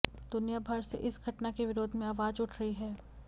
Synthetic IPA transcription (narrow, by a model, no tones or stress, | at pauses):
d̪̥ʊnijabʱaɾsḛʔɪsɡʱɐʈnakeʋɪɾoːd̪ʱmẽaːʋaːd͡ʒʊʈʰɾɐɦiɦɛː